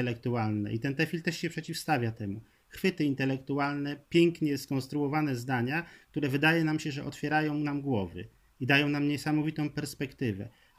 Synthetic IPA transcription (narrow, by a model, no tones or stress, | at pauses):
ɛlɛk̚t̪ualnɛ̰ʔit̪ɛnt̪ɛfʲilt̪ɛʂɕɛpʂɛt͡ɕifst̪avʲjat̪ɛmu | xfɘt̪ɘint̪ɛlɛkt̪ualnɛpʲjɛŋkɲɛskɔñst̪ɾuɔvanɛzd̪aɲak̚t̪uɾɛvɘd̪ajɛnamɕɛʐɛʔɔt̪fʲjɛɾajɔ̃w̃namɡwɔvɘ̰ | id̪ajɔ̃w̃namɲɛsamɔvʲit̪ɔ̃w̃pɛɾspɛkt̪ɘvɛ̰